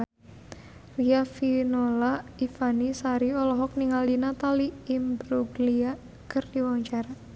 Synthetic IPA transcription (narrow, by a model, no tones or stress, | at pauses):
riafinolaifanisaɾiɔlɔɦɔk̚niŋaldinat̪aliimbɾuɡlia | kɨrdiwaɲt͡ʃaɾa